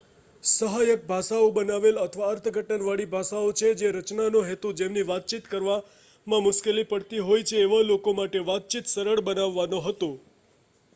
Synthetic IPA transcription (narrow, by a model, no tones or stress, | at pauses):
səɦajək̚bʱaʃaobənaʋelət̪ʰəʋaəɾt̪ʰəɡʱəʈənʋaɭibʱaʃaot͡ʃʰed͡ʒeɾət͡ʃnanõɦet̪ud͡ʒemniʋat̪̚t͡ʃit̪kəɾʋa | mãmʊʃkelipəɽt̪iɦojt͡ʃʰeːʋalokomaʈeʋat̪̚t͡ʃit̪səɾəɭbənaʋːanoɦət̪õ